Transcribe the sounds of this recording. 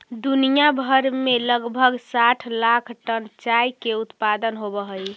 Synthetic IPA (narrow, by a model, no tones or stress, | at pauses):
d̪unijabʱəɾmeləɡbʱəɡsaʈʰlakʰʈənt͡ʃajkeut̪pad̪ənɦobəɦəj